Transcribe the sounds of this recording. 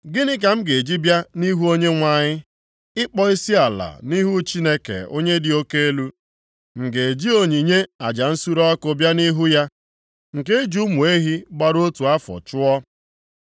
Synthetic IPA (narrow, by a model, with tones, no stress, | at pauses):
ɡɪ˦nɪ˦k̬a˨m̩˦ɡe˨d͡ʒi˦bja˦ni˦ɦu˦o˦ɲe˦ŋʷa˨ɲɪ˦ | ɪ˦k͡pɔ˦i˦si˦a˨la̰˨ni˦ɦu˦t͡ʃi˦ne˦kḛ˨o̰˦ɲe˦dɪ˨o˦ke˦e˦lu˦ | ŋ̩˨ɡe˨d͡ʒi˦o˨ɲi˨ɲe˦a˨d͡ʒa˨n̩˦su˦ɾɔ˦kʊ˨bja˦ni˦ɦu˦ja˦ | ŋ̩˨ke˦e˦d͡ʒu˦mu˨e˦ɦi˦ɡ͡ba˦ɾo˦tu˨a˦fɔ̰˨t͡ʃʊ˦ɔ˦